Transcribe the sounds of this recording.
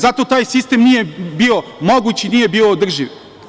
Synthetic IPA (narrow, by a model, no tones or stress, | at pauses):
zat̪ot̪aːjsist̪emnijebio̞moɡut͡ɕiiniːje̞bioːd̪r̩ʒiʋ